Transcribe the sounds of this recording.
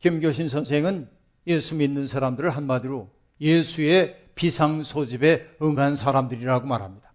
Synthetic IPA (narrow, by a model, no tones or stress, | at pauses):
kimɡjoɕ̬ʰinsʰʌnsʰe̞ŋɯn | jesʰuminːɯnsʰaɾamdɯɾɯɭɦanmadiɾo | jesʰuepisʰaŋsʰod͡ʑibe̞ɯŋɦansʰaɾamdɯɾiɾaɡomaɾɦamɲid̥ḁ